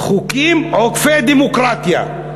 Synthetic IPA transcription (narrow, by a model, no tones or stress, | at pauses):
χukimokfed̪imokɾat̪ija̰